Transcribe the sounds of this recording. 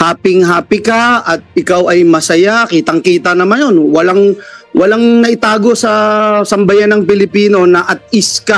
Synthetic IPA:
haːpɪŋɦaːpɪkaʔɐt̪̚ʔɪkawɐjmɐsɐjakiːt̪ɐŋkiːt̪ɐnɐmanjonwɐlaŋwɐlaŋnɐʔɪt̪aːɡo̞sɐsɐmbɐjanːɐŋpɪlɪpiːno̞nɐʔɐt̪̚ʔɪska

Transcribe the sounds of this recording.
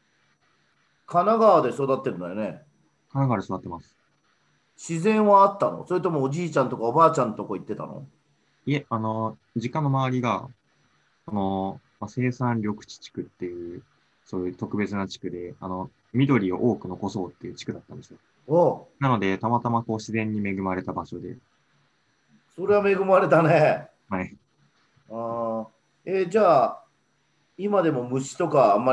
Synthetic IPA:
kanaɡaad̪e̞so̞d̪at̪ːeɾɯ̟nd̪ajone | kanaɡaβːad̪esod̪at̪ːemasɨ̥ | ɕizẽ̞ɰ̃βaːt̪ːano̰so̞ɾet̪o̞moːʑiːt͡ɕãnt̪o̞kaobaːt͡ɕãnt̪o̞koːit̪ːe̞t̪a̰no̰ | ieano̞ | d͡ʑikãnːo̞maβaɾʲiɡa | sono̞ | mase̞ːsãnɾʲo̞kɯ̟̥t͡ɕi̥t͡ɕi̥kɯ̟t̪ːe̞jɯ̟ː | so̞ːjɯ̟t̪o̞kɯ̟be̞t͡sɨnat͡ɕi̥kɯ̟d̪e̞ano̞ | mʲid̪o̞ɾʲio̞̰ʔo̞ːkɯ̟no̞ko̞so̞ːt̪ːe̞jɯ̟t͡ɕi̥kɯ̟d̪at̪ːãnd̪sɨijo | onano̞d̪e̞t̪amat̪amako̞ːɕizẽ̞ɲ̟ːime̞ɡɯ̟maɾe̞t̪abaɕo̞d̪e̞̰ | so̞ɾe̞βame̞ɡɯ̟maɾe̞t̪ane | hai | ed͡ʑaː | imad̪e̞mo̞mɯ̟ɕi̥t̪o̞kaːmːa

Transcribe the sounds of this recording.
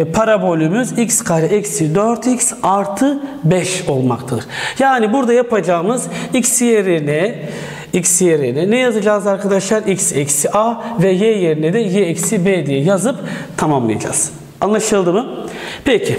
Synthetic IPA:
pʰaɾabo̞lʲymyzicskʰaɾɛʔɛcsid̪øɾt̪ʰicsaɾt̪ʰɯbɛʃo̞lˠmakt̪ʰɯɾjaːnibuɾd̪ajapʰad͡ʒaːmɯzicsjeɾinɛ | icsjeɾinɛnɛjazɯd͡ʒaːzaɾkʰad̪aʃlˠaɾicsɛcsiʔavɛjɛje̞ɾinɛd̪ɛjeɛcsibed̪ijɛjazɯpt̪ʰamamlˠa̰ja̰d͡ʒa̰ːz̥ | anlˠaʃɯlˠd̪ɯmɯpʰɛcʰi

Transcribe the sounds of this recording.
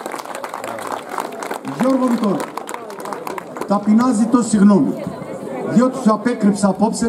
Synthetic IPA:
jɔɾvɔvit̪ɔɾ | t̪apinazit̪ɔsiɣnɔmḭ | jɔt̪usapɛkɾipsapɔpsɛ

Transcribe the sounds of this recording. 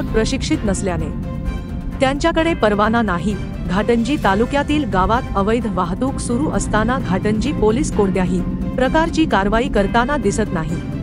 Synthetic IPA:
k̚pɾəɕikʂit̪nəsljane | t̪jãɲt͡ɕjakəɽepəɾʋananaɦi | ɡʱaʈəɲd͡ʑiːt̪alukjat̪iːlɡaʋat̪əʋəjd̪ʱʋaɦt̪uːksuɾuːʔəst̪anaɡʱaʈəɲd͡ʑiːpoliːskoɽd̪jaɦiːpɾəkaɾt͡ɕiːkaɾʋaiːkəɾt̪anad̪isət̪naɦi

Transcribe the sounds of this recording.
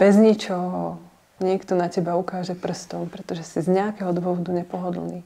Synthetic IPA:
b̥ɛzɲit͡ʃɔɦɔ | ɲɪɛkt̪ɔnacɛbaukaːʒɛpr̩st̪ɔmpɾɛt̪ɔʒɛsizɲɛakɛɦɔd̪ʋʊɔʋɔd̪uɲɛpɔɦɔd̪l̩niː

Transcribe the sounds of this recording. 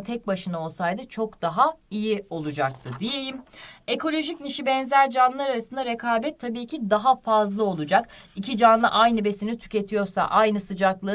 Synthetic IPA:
t̪ʰɛc̚baʃɯnao̞lˠsajd̪ɯt͡ʃʰo̞kd̪̥aɦaijio̞lˠud͡ʒak̚t̪ʰɯd̪ijelʲime̞ko̞lʲo̞ʒicniʃibɛnzæɾd͡ʒanlˠaɾaɾasɯnd̪aɾekʰaːbɛt̪ʰːabiːcʰid̪aɦafazlˠɯo̞lˠud͡ʒakicʰid͡ʒanlˠɯ̰ʔajnɯbe̞sinit̪ʰy̥ce̞t̪ʰijo̞ɾsa̰ʔajnɯsɯd͡ʒaklˠɯ

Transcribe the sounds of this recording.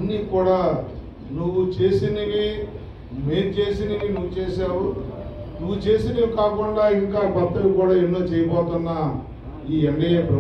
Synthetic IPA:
ɐnːiːkuːɽaː | nuʋːut͡ʃe̞ːsiniɡi | meːnt͡ʃe̞ːsinɐɡinuʋːut͡ʃe̞ːsaːwunuʋːut͡ʃe̞ːsinɐɡikaːkuɳɖaːiŋkaːbɐt̪ːɐlikuːɽaːenːoːt͡ʃɛːjɐpɔːt̪unːɐ | iːɐɳɖɐjepɾɐ

